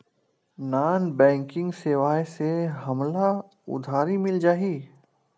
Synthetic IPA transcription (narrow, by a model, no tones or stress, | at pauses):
naːnbɛ̃ːŋkɪ̃ŋɡseːʋaːseɦɐmla | ʊ̰d̪ʱaːɾimɪld͡ʒaːɦiː